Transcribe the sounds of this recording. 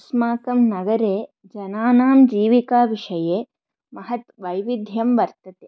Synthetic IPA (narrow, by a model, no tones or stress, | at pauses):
smaːkɐmnɐɡɐɾeː | d͡ʒɐnaːnaːmd͡ʒiːʋikaːʋiʂɐjeː | mɐɦɐt̪ʋɐjʋid̪ʱjɐmʋɐɾt̪ɐt̪eː